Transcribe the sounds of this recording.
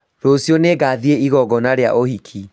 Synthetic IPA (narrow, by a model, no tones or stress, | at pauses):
ɾosijɔneɡaðieiɣɔɡɔnaɾea̰ʔohikʰi